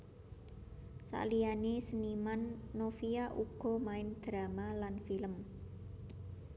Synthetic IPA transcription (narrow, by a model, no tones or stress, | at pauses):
sa̰ʔlijanesənimanːofiaʔuɡ̥ɔ̤maɪnd̪̥ɾamalanfiləm